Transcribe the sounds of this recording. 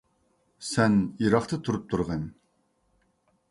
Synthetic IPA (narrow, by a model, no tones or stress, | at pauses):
sɛniɾɑχt̪ʰɨt̪ʰuɾup̚t̪ʰuɾʁɨn